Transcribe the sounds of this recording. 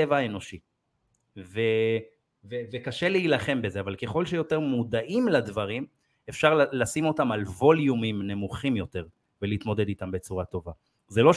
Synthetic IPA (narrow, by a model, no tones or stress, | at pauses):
evaaeno̞ʃi | ve | vevekaʃe̞leilaχe̞mbezeavalke̞χo̞lʃejo̞te̞ʁmud̪aʔimladvaʁim | efʃaʁllasimo̞tamalvo̞ljumimne̞muχimjo̞te̞ʁ | veliːt̪mo̞d̪e̞d̪it̪ambe̞t͡suʁat̪o̞va | zelo̞